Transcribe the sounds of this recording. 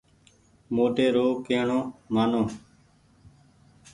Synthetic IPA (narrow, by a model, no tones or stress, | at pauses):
moːʈeːɾoːkeːɳõːmaːnõː